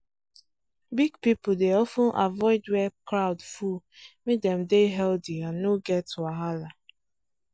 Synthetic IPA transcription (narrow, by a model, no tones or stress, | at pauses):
biɡpipʊdeɔfʊ̃nʔa̰vɔɪdwɛkɾaʊdfumet̚dɛmdeɦɛldiãnːoɡɛtʰːuaɦala